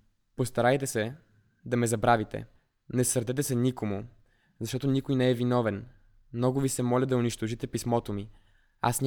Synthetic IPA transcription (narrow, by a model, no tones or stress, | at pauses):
post̪ɐɾajt̪ɛsɛ | d̪ɐmɛzɐbɾavit̪ɛ̰ | nɛsəɾd̪ɛt̪̬ɛsɛnikomʊ | zɐʃt̪ɔt̪onʲikojnɛɛvinɔvɛn | mnɔɡʊvisɛmɔlʲəd̪ɐʊniʃt̪oʒit̪ɛpismɔt̪omi | a̰snʲ